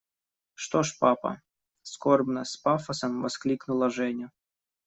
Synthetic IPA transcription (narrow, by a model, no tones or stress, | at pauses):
ʂt̪oʂpapɐ̰ | skorbnəspafɐsəmvɐsklʲiknʊlˠɐʐɛnʲʊ